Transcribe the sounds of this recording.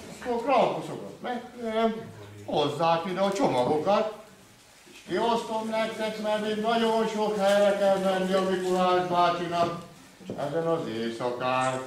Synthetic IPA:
ɒkːolkrɒlkusokɒ̰t̪mɛkt̪eːɾɛmhozːaːkid̪ɛːt͡ʃomɒɡo̞kɒt̪ː | ʃkiost̪omnɛkt̪ɛkmɛrt̪iɡnɒɟonʃokhɛjrɛkɛlmɛnːiɒmikulaːʒbaːt͡ʃinɒk | ɛ̰zɛnɒzeːsɒkaːn

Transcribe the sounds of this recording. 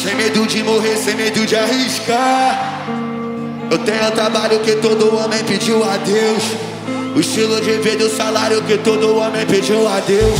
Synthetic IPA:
sẽmed̪ud͡ʒɪmoɦeɾsẽmed̪ud͡ʒɪaɦiʃka | ewt̪ẽɲʊũt̪ɾabaʎʊkɪt̪od̪ʊõmẽj̃pɪd͡ʒiwad̪ews | ʊiʃt͡ʃilʊd͡ʒɪved̪ʊsalaɾjʊkɪt̪od̪ʊõmẽj̃ped͡ʒiwad̪ews

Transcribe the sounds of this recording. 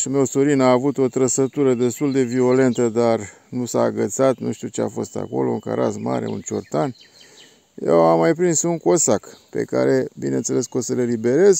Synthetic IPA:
ʃime̞wsoɾinaːvut̪o̞t̪ɾəsət̪uɾəd̪e̞st̪uld̪e̞vio̞le̞nt̪əd̪ar | nusaːɡət̪sat̪nṵʃt̪ut͡ʃea̰fo̞st̪a̰ko̞̰lo̞uŋka̰ɾa̰sma̰ɾe̞̰ṵnt͡ʃo̰rt̪an | jḛwamːajpɾinsuŋko̞sakpḛka̰ɾe̞bine̞nt̪se̞le̞skosəle̞libe̞ɾe̞z

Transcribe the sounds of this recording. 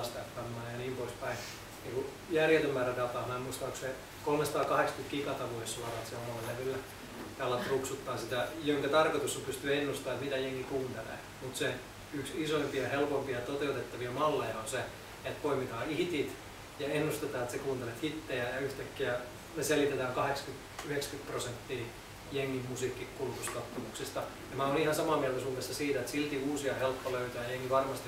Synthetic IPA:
st̪ɑt̪pɑnːɑːjɑniːmpoispæi | niːŋku | jærjet̪ømːæːrædɑp̪ɑːmæːmuist̪ɑku̥se | kolmesɑt̪ɑːkɑhekskyt̪kikɑt̪ɑʋuossuɑrɑːet̪seomolːleʋylːæ | t̪ɑɑlːɑt̪ːuksut̪ːɑːsit̪æjoŋkɑt̪ɑrkot̪usːompyst̪yæenːust̪ɑːet̪mit̪æjeŋːikuːnt̪elḛː | mut̪se | yksisoimpiɑhelpompiɑt̪ot̪eut̪et̪ːɑʋiɑmɑlːejɑonse | et̪poimit̪ɑːiht̪it̪ | jɑenːust̪et̪ɑːet̪sekuːnt̪elet̪hit̪ːejæjɑyht̪ækːiæ | neselit̪et̪æːŋkɑhekskyt̪ | yhekskyt̪prosent̪ːiː | jeŋːimmusiːkːikulut̪uskɑt̪ːɑmuksist̪ɑ | jɑmæonihɑnsɑmɑːmiɛelt̪æsuːmːesːɑsiːt̪æet̪silt̪iuːsiɑhelpːoløyt̪øæːjeŋːiʋɑrmɑst̪i

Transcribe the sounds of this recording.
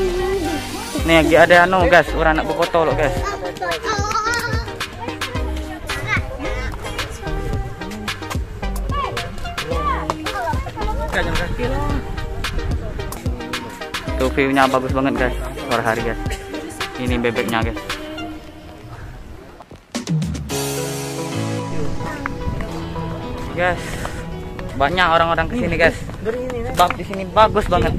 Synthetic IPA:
nɛɡiadaanoɡasuɾaŋnaʔbəpot̪ɔlɔʔɡas | kad͡ʒaŋkaki | t̪ufiɲabaɡʊsbaŋət̪̚ɡajssoɾaɦaɾiɡajs | inibebɛk̚ɲaɡas | ɡas | baɲakoɾaŋoɾaŋkəsiniɡajs | səbap̚disinibaɡʊsbaŋət̪̚

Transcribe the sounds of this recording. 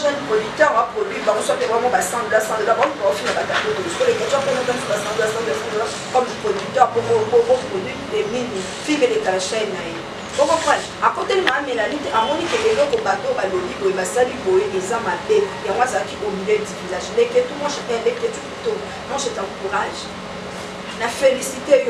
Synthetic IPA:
ʒɛnpodyk̚tɛʁwapχodwibaosuapɛwmɔbasãbasãdolaɔmikaɔfinabakatobojoso̥kolekɛtukoatãtibasãbasãbasãdola | kɔmpχodyk̚t̪ɛʁbomobokopʁodɥilemini | fikelekalaʃɛnaje | boɡokaakotelimaamelaniteʔamɔnikeʔelɔkobatobalobibojebasalibojeʔezamabejaazalakiʔomiledivilaʒleketumɔ̃ʃaʔɛ̃leketukuto | mɔ̃ʃetãkuʁaʒ̥ | nafelisitej

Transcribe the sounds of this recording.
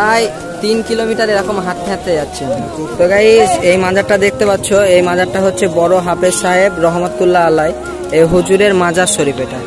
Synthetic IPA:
aj | t̪inkilomiʈaɾeɾɔkomɦat̪̚kʰɛt̪ːed͡ʑatːɕʰet̪oɡaiejmad͡ʑaʈad̪ek̚ʰt̪epatːɕʰoejmad͡ʑaʈʈːaɦotːɕʰebɔɾoɦapeʃaɦebɾɔɦmat̪̚ːulːaalaj | ejɦod͡ʑuɾeɾmad͡ʑaɾʃoɾipeʈa

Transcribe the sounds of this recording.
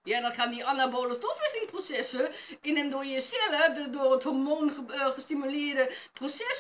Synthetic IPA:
jadɔnχaːndiʔanaboːləstofəsɪnprosɛsə | ɪnəndojəsɛləddoːrəthomoːnəəχəstimylɪːrdəprosɛs

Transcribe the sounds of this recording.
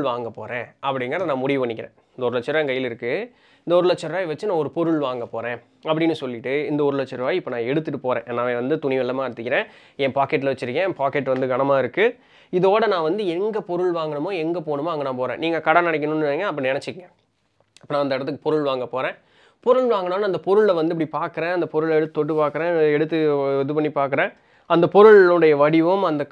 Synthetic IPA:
ɭʋaːŋɡɐpo̰ːɾẽːɐpːɐɽɪŋɡɐɾɐðɐnãːmʊɽɪʋʋɐɳːɪkːɪɾḛ̃ːɪnd̪ɐɔɾlɐt͡ʃːɐɾaːɛŋɡɐjːɪlɪɾɯkːɯ | ɪnd̪ɐɔɾɯlɛt͡ʃːɐɾʋaːjʋɐt͡ʃːɯnãːɔɾɯpɔɾɯɭʋaːŋɡɐpoːɾẽː | ɐpːɐɽɪnːɯsɔlːɪʈːɯɪnd̪ɐɔɾɯlɐt͡ʃːɐɾʋaːjɪpːɐnãːɛɽɯt̪ːɯʈːɯpoːɾḛ̃ːʔnːaːeːʋɐnd̪ɯt̪ʊɳɪʋɛlːɐmaːɛɽɯt̪ːɯkːɪɾẽː | ɛ̃ːpaːkɛʈ̬ːlɐʋɐt͡ʃːɪɾɯkːẽpaːkɛʈːʋɐnd̪ɯɡɐɳɐmaːɪɾɯkːɯ | ɪðoːɽɐnãːʋɐnd̪ɯɛŋɡɐpɔɾɯɭʋaːŋɡɐɳɯmõːɛŋɡɐpoːɳɯmoːɐŋɡɐnãːpoːɾḛ̃ːniːŋɡɐkɐɽɐnɐɽɪkːɐnʊnːɯŋɐɐpːɐɽinɛnɐɛt͡ʃːɯkːɪŋɡɐ | ɐpːɐnaːɪnd̪ɐɪɽɐt̪ːɯkːɯpɔɾɯɭʋaːŋɡɐpoːɾẽː | pɔɾɯɭʋaːŋɡɐɳmːaːnːɐnd̪ɐpɔɾɯɭlɐʋɐnd̪ɯɪp̬ːɐɽipaːɾkɯɾẽːɐnd̪ɐpɔɾɯɭɛɽɯt̪ːɯt̪ɔʈːɯpaːɾkɯɾẽːɛɽɯt̪ːɯɛðɯpɐɳːipaːɾkɯɾẽː | ɐnd̪ɐpɔɾɯɭɯɽɐjɐʋɐɽɪʋɯmɐnd̪ɐ

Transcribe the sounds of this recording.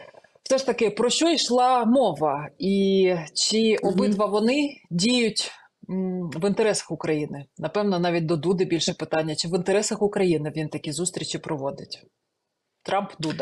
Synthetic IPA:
w̥sɛʃt̪ɐkɪpɾɔʃt͡ʃɔjʃlˠɑmɔʋɐit͡ʃɪʔɔbɪt̪ʋɐʋɔnɪdʲijjʊtʲ | ʋɪnt̪eɾɛsɐ̥xʊkɾɐjinɪnɐpɛwnɔnɑʋʲit̚ʲd̪ɔd̪ud̪ɪbʲilʲʃɛpɪt̪ɑnʲːɐt͡ʃɪʋɪnt̪eɾɛsɐxʊkɾɐjinɪʋʲint̪ɐkʲizust̪ʲɾʲit͡ʃipɾɔʋɔd̪ɪtʲ | t̪ɾʔɑmpd̪ud̪ɐ

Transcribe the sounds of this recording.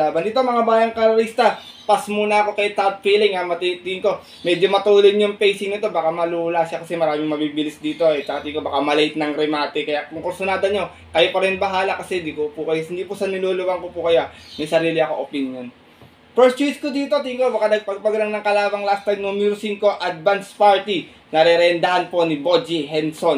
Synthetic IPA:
laːbɐnd̪it̪omɐŋabaːjɐŋkɐɾɾist̪ɐ | pɐsmuːnɐɐko̞kɐjt̪at̪̚fiːlɪŋamɐt̪it̪ɪɪŋko̞ | mɛd͡ʒomɐt̪uːlojɲʊŋpɛjsɪŋnɪt̪o̞bakamɐluːlasʃakɐsɛmɐɾaːmɪŋmɐbibɪlɪsd̪iːt̪o̞ɛt͡ʃɐkɐt̪ɪŋkobɐkamɐlɛjt̪̚nɐŋɾɛmaːt̪ɪkɐjaʔkʊŋkɛɾsʊnaːd̪ɐɲo̞ | kɐjopɐɾɛnbɐɦaːlakɐsɛd̪ikopukɐjohɪnd̪ipʊsɐnɪloːlʊwɐŋkopʊkɐjomɐjsɐɾiːlɪɐko̞ʔopinjon | pɛɹstt͡ʃiskod̪iːt̪ot̪ɪɪŋko̞bɐkanɐɡ̚pɐɡ̚pɐɡɐlɐŋnɐŋkɐlaːbɐŋlast̪ajmnomiɾʊsiŋko̞ʔad̪̚vanspaɹt̪i | nɐɾɛɾɛnd̪ɐɦanpo̞nɪbod͡ʒiɦɛnso̞n

